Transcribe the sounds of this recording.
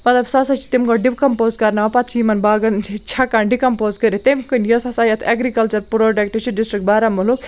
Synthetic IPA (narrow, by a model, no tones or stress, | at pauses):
mɐt̪lɐbsasat͡ʃʰi̥t̪imkoɖipkɐmpoːzkɐɾnɐpɐt̪sʰimɐnbaːɡɐnt͡ʃʰit͡ʃʰakanɖikɐmpoːzkɐɾit̪emkunjosɐsajɐt̪ʰeɡɾikɐlt͡ʃɐɾpɾoɖɐk̚ʈit͡ʃʰiɖisʈɾik̚ʈ̚baɾamulu